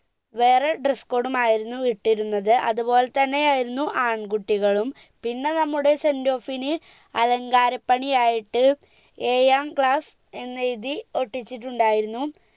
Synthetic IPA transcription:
ʋe̞ːreɖresko̞ːɽumaːjiɾunːuʋiʈːiɾunːɐðɨʔɐ̰ðubo̞ːle̞t̪ɐnːe̞jaːjiɾunːuʔaːɳɡuʈːiɣɐɭum | pinːe̞nɐmːuɽe̞sendo̞ːfinɨ | ɐlɐŋɡaːɾɐpːɐɳijaːjiʈːɨ | eːjaːmkɭaːs | e̞nːɐiðio̞ʈːit͡ɕːiʈːuɳɖaːjiɾunːu

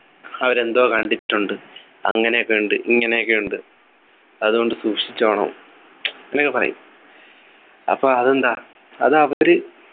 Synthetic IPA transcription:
ɐʋɐɾe̞nd̪oːkɐɳɖit͡ɕʈːuɳɖɨ | ɐ̰ŋːɐnejokːeuɳɖɨʔiŋːɐnejokːeuɳɖɨ | ɐðuɣo̞ɳɖɨsuːkʂit͡ɕːaːɳɐ̰ː | enɐkːɨpɐrɐ̰jṵm | ɐ̰pːoːɐðend̪aː | ɐðɐʋɐoɾɨ

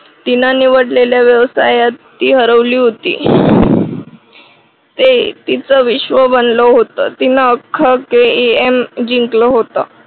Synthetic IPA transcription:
t̪inaniʋəɽleljaʋjəʋsajat̪ːiːɦəɾəʋliːɦot̪ḭː | t̪et̪it͡səʋiɕʋəbənləɦot̪ət̪inaːkʰːəkeiemd͡ʑiŋkləɦot̪a

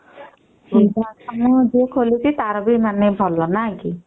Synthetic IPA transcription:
ibasɔmɔd͡ʒekʰolitʰit̪aɾɔbimanebʱɔlːɔnajki

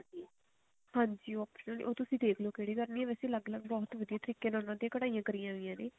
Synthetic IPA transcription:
i | hãːɲd͡ʒiːɔːpʃənəlḭʔoːt̪ʊsĩːd̪eːkʰloːkeɽiːkəɾniːɛːʋɛsĩləɡləɡbɔːt̪ʋəd̪ijãːt̪əɾiːkeːnãnãːt̪ẽːkəɽaːijãːkəɾijãːɦoijãːneː

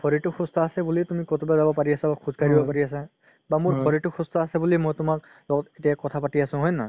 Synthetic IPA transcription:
pʰɔɹitʊxustʰɔasɛbulitumikɔtʰubazabɔpaɹiasabakʰuzkaɹibɔpaɹiasa | bamuɹpɔɹitʊxʰustʰɔasɛbulimɔjtʊmak | lɔɡɔtetijakɔtʰapatiasʊ̃ɦɔjna

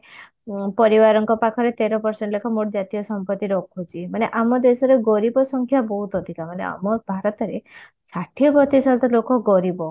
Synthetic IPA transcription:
pɔɾibaɾɔŋkɔpakʰɔɾet̪eɾɔpɔɾseɳʈlekʰɔmoʈɔd͡ʒat̪ijɔsɔmpɔt̪ːiɾɔkʰut͡ʃʰimaneʔamɔd̪esɔɾeɡɔɾibɔsɔŋkʰjabɔɦut̪ɔd̪ʱikamanḛa̰mɔbʱaɾɔt̪ɔɾe | saʈʰiɔbɔt̪isalt̪ɔlokɔɡɔɾibɔ

